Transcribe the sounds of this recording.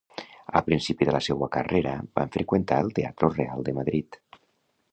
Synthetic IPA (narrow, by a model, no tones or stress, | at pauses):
əpɾinsipiðəlasɛwəka̰reɾə̰ba̰ɱfɾekwent̪aəlˠt̪ea̰t̪ɾorealˠd̪əmaðɾit̪